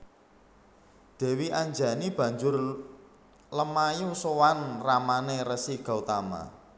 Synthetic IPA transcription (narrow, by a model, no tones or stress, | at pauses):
d̪̥ɛ̤wiʔaɲd͡ʒa̤nib̥ä̤ɲd͡ʒʊr | ləmajusowanramanerəsiɡ̥a̤ut̪ama̰